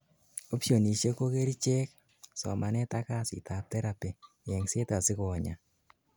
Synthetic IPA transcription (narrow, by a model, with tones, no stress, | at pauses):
o˦psio˨ni˨t͡ʃe˦ko˦ke˦ɾi˦t͡ʃe˦k | sɔ̰˨ma˨nɛ˦ta˦ka˦sɪ̰˨ta˨tɛ˦ɾa˨pe˨ | jɛ˨ŋse˦ta˨sɪ˦kɔ˨ɲa̰˨